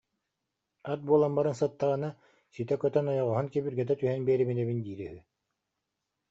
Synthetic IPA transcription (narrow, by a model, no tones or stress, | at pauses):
at̪̚buɔlˠambaɾɯnsɯt̪ːaʁɯna | sit̪ɛkœt̪œnɔjɔʁɔɦɔnkɛbiɾɡɛt̪ɛt̪yɦɛnbɛːɾibinɛβind̪iːɾɛɦy